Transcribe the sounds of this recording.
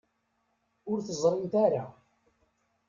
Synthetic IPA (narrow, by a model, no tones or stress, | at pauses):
ʊɾθəzˤɾˤɪmt̪aɾa